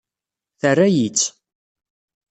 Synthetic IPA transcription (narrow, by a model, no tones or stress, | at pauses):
θərːæjit͡sː